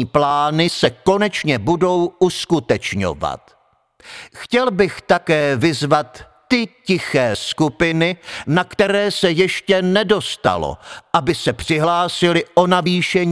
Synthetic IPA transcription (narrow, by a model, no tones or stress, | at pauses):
plaːnɪsɛko̞nɛt͡ʃɲɛbudo̞wʔuskut̪ɛt͡ʃɲo̞̰va̰t̪ | xcɛlbɪxt̪akɛːvɪzvat̪ː | ɪcɪxɛːskupɪnɪnakt̪ɛɾɛːsɛjɛʃcɛnɛdo̞st̪a̰lo̰ʔabɪsɛpr̝̥ɪɦlaːsɪlɪʔo̞naviːʃɛɲ